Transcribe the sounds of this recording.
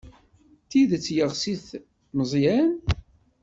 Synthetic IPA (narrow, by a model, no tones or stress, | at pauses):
θiðt͡sːjəʁsiθ | nəzˤjæn